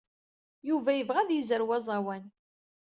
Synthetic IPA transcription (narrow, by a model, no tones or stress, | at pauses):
juvæjəvʁæðjizəɾwæzˤɑwæn